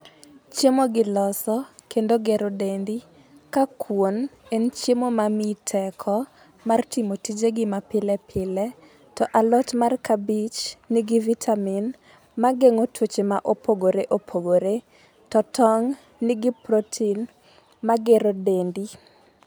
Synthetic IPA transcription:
t͡ʃemoɡɪlɔsɔkʰendoɡeɾodendi | kakʰwonent͡ʃemomamitʰɛkʰɔ | martimotid͡ʒeɡɪmapɪlɛpʰɪlɛ | tɔʔalɔtmarkabit͡ʃnɪɡɪvitʰamin | maɡeŋotʰwot͡ʃemaʔopʰoɡoɾeʔopʰoɡoɾe | tɔtʰɔŋ | nɪɡɪpɾotʰin | maɡeɾodendi

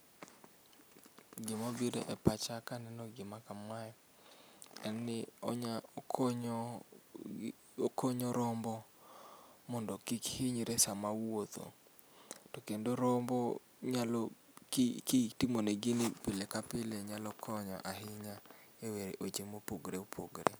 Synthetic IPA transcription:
ɡɪmabidḛʔɛpat͡ʃakanɛnɔɡɪmakamajɔ | ɛnːɪɔɲakɲ | okoɲɔɾɔmbɔ | mɔndɔkikhɪɲɾesamawot̪o̰ | tɔkendoɾɔmbɔ | ɲalɔ | kkitimoneɡɪnɪpɪlekapɪleɲalɔkʰɔɲɔ̰ʔaɦɪɲa | eweɾeʔot͡ʃemopoɡɾeopʰo̰ɡɾḛ

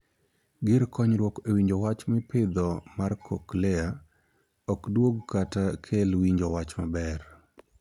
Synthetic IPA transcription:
ɡɪɾkɔɲɾwɔkewiɲd͡ʒowat͡ʃmɪpɪd̪ɔmarkʰɔklɛa | ɔkdwoɡkatakʰelwiɲd͡ʒɔwat͡ʃmabɛr

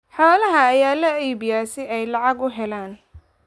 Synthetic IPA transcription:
ħɔːlɐɦɐːjaːlɐiːbɪjaːsɪɛjlɑʕɑɡʊɦɛlaːn

